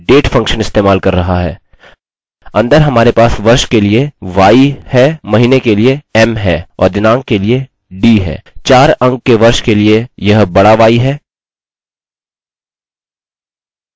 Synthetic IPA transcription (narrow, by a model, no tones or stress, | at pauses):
ɖeːʈfɐ̃ŋkʃənɪst̪eːmaːlkɐɾːɐɦaɦɛ̰ː | ɐ̃nd̪əɾɦɐmaːɾepaːsʋɐɾʃkelieʋaːihɛmɐɦiːnekelieɛmɦɛːɔ̰ːɾd̪ɪnãːŋɡ̚kelie | ɖiːɦɛ̰ːt͡ʃaːɾɐ̃ŋɡ̚keʋɐɾʃkeliejɐɦbɐɽaʋaːiɦɛː